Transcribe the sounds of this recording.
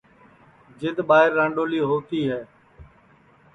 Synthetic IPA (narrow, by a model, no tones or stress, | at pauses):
d͡ʒɪd̪ɓaːɦɪɾːãːɳɖoːliːɦoːt̪iːɦɛː